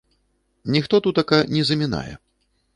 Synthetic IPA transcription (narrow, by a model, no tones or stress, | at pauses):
nʲixt̪ɔt̪ut̪ɐkɐnʲɛzɐmʲina̰jɛ̰